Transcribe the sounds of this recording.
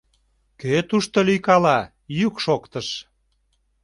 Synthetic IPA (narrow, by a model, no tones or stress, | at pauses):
køt̪uʃt̪olyjkɑlɑ | jykʃokt̪əʃ